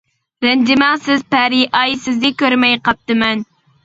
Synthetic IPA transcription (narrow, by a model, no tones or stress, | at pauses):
ɾɛnd͡ʒɪmæsɪzpæɾiʔɑjsɪzd̪ɪkʲøɾmɛjqʰɑp̚t̪ɨmɛn